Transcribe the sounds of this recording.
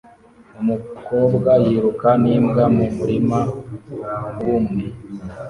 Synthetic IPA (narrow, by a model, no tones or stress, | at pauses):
umukoːbɡajiɾukaniːmɡamumuɾima | wumŋe